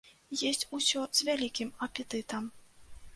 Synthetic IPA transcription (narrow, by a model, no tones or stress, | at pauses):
jɔsʲt͡sʲusʲɔz̥ʲvʲalʲikʲimɐpʲɛt̪ɨt̪ɐm